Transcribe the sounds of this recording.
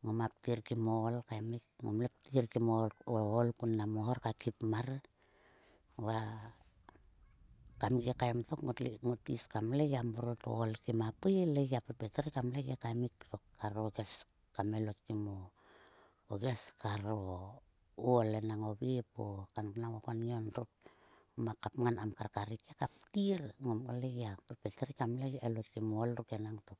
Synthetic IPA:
ŋomap̚tiɾkimolkaemikŋo̰mlep̚tiɾkimooolkunːamohoɾkakipmaɾ | βa | kamikekajmto̞kŋotiskamleɡamoɾoto̰ːlkimapileɡapepeteɾkamleɡekamikto̞kːaɾoɡes | kamelot̚kimo | oɡeskaɾo | uolenaŋobipokannaŋokononɾuk̚ | makapŋanamkaɾkaɾikekap̚tiɾŋomleɡiapepeteɾikamleɡelot̚kimoolɾukenaŋtok̚

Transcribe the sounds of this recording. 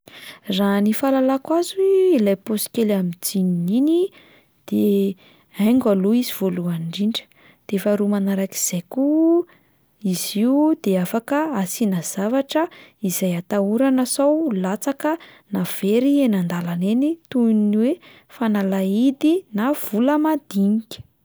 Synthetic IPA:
ranifalalakwazueilajposi̥kelamid͡zininini | d̪̥e | ajŋɡaloiziv̥oluaɳɖ͡ʐiɳɖ͡ʐə̥ | d̪̥eefaɾumanaɾaki̥z̥ejku | iziwud̪eafakəasinaz̥avaʈ͡ʂəizajat̪auɾanasawlat͡sakənav̥eɾienand̪alanenit̪unniwe | fanalaid̪inav̥uləmad̪̥iɲikʲə̥

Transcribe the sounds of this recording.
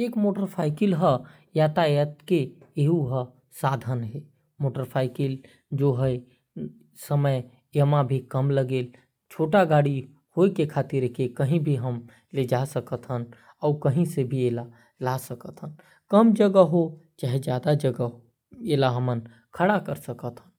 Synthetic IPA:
eːkmoːʈəɾpʰaːɪkilɦə | jat̪ajət̪ke | eɦuɦə | sad̪ʱənɦɛ | moːʈəɾpʰaːɪkil | d͡ʒoɦəj | səməj | əmãbʱikəmləɡeːl | t͡ʃʰoʈaɡaːɽi | hoekekʰaːt̪ɪɾkekəɦĩbʱiɦəm | led͡ʒasəkət̪ɦən | ɔːkəɦĩsebʱieːla | lasəkət̪ɦən | kəmd͡ʒəɡəɦot͡ʃaːɦed͡ʒjaːd̪ad͡ʒəɡə | eːlaɦəmən | kʰəɽakəɾsəkət̪ɦən

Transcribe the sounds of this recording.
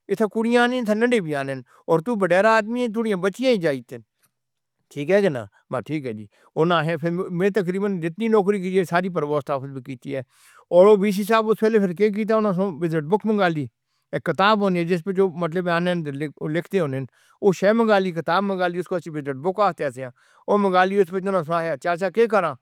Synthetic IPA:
ɪt̪ʰaːkʊɽɪjãːnẽnt̪ʰãnəɳɖeːbiaːneːn | ɔːɾt̪uːbəɖɛːɾaːd̪miːɛ̃ːt̪̬ʊɽɪjãːbət͡ʃɪjãːĩːd͡ʒaːit̪en | ʈʰiːkɦɛːɡena̰ː | baʈʰiːkɦɛːd͡ʒḭː | ʊnãːɦɛːpʰɪɾmẽːt̪ək̬ɾiːbənd͡ʒɪt̪niːnɔːkɾiːk̬id͡ʒesaːɾiːp̬əɾʋoːst̪aːfʰəzbiːkiːt̪iːɛː | ɔːɾoːbiːs̬iːs̬aːbʊspɛːleːpʰɪɾkeːk̬iːt̪̬aːʊnãːs̬õːʋɪzəʈ̚bʊkmə̃ŋɡaːliː | kːɪt̪aːbɦõːniɛːd͡ʒɪs̬pet͡ʃoːmət̪ləbãːnẽːnlɪkʰt̪eːɦoːnɪn | oːʃɛːmə̃ŋɡaːliːkɪt̪aːbmə̃ŋɡaːliːʊskoət͡ʃĩʋɪzəʈ̚bʊkaːst̪ɛːseãː | oːmə̃ŋɡaːliːʊspɪt͡ʃʊnãːs̬ʊaːɦjaːt͡ʃaːs̬aːkeːkəɾãː

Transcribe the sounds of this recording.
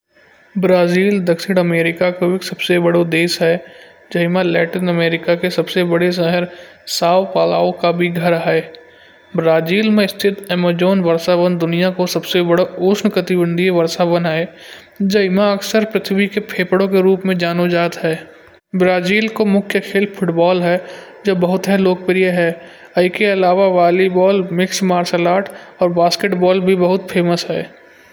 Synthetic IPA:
bɾaːziːld̪ɐkʃɪɽ̃əmeːɾɪkakoeːksɐbsebɐɽod̪eːsɦɛ | d͡ʒɐɪmalɛːʈinəmeːɾɪkakesɐbsebɐɽes̬əɦəɾ | saːʋpaːla̰ːõkabʱiɡʱɐɾɦɛ | bɾaːziːlmẽɪst̪ʰɪt̪eːmad͡ʒoːnʋəɾsabənd̪ʊnijakosɐbsebɐɽaoːʃnkət̪ɪbə̃nd̪ʱiʋɐɾsabəne | d͡ʒɐɪmãɐksəɾpɾɪt̪ʰbikepʰeːpəɽõkeɾuːpmẽd͡ʒaːnod͡ʒaːd̪ɦɛː | bɾaːziːlkomʊkʰjəkʰeːlpʰʊʈbɔːlɦɛ | d͡ʒoːbəɦʊt̪ɦɛloːk̚pɾijəɦɛː | ɐɪkeɐlaːʋaʋaːlibɔːlmɪksmaːɾsəlaːʈɔːɾbaːskeʈbɔːlbʱibəɦʊt̪pʰeːməsɦɛː

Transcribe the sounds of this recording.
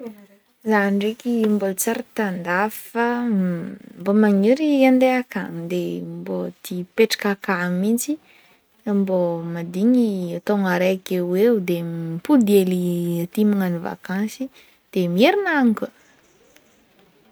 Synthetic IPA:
zanɖ͡ʐekimbolt͡saɾət̪and̪afə | mbomaŋuɾiand̪eakaŋd̪embot̪ipeʈ͡ʂḁkakamint͡si | mbomad̪iɲiat̪oŋaɾeakewewd̪epud̪ieliat̪imaŋaniva̰kãnsi | d̪̥emieɾinaŋikə

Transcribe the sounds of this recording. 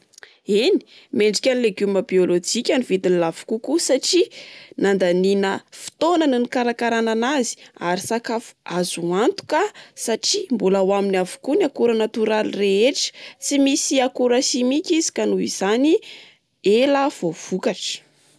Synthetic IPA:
eni̥ | meɳɖ͡ʐikʲanileɡuməbiolod͡ʒikʲanivit̪inlavu̥kukusaʈ͡ʂinand̪aninəfi̥t̪onanunikaɾakaɾananazi̥aɾisakafu̥azuant̪u̥kəsaʈ͡ʂimbulawaminiavu̥kunakuɾanat̪uɾalireeʈ͡ʂə̥t͡simisiakuɾaʃimikʲizi̥kanuiz̥ani | eləv̥ov̥ukaʈ͡ʂə̥

